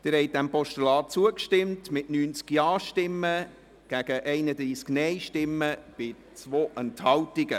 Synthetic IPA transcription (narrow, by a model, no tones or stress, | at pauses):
d̥ɪɾhɛɪt̚dæmpɔʃtulɑːt̚t͡suəkʃtɪmtmɪtnyːnt͡skjɑːʃtɪmːə | ɡ̥æɡ̥əʔɛɪnədɾiːsknɛɪʃtɪmːəb̥ɪ | t͡svoːʔɛnthɑwtɪɡə